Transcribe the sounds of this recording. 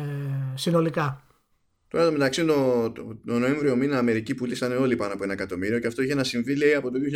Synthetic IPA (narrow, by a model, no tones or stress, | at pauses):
sino̞likɐ | t̪oɾɐt̪ome̞t̪ɐksit̪ot̪ono̞e̞ɱvɾio̞minɐːme̞ɾicipulisɐneo̞lipɐnoɐpo̞enɐekɐt̪o̞miɾio̞ceɐft̪o̞içeenɐsiɱvileiɐpo̞t̪oðioçi